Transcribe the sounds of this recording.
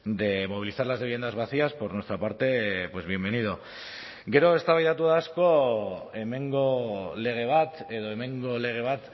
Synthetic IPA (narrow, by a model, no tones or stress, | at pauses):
d̪e̞mo̞β̞iliθaɾlazleβije̞nd̪azβ̞aθiaspo̞ɾnwe̞st̪ɾapaɾt̪e̞pwe̞zβ̞je̞mbe̞nið̞o̞ | ɡe̞ɾo̞e̞st̪aβajt̪at̪uðasko̞eme̞ŋɡo̞le̞ɣ̞e̞β̞at̪e̞ð̞o̞e̞me̞ŋɡo̞le̞ɣ̞e̞β̞at̪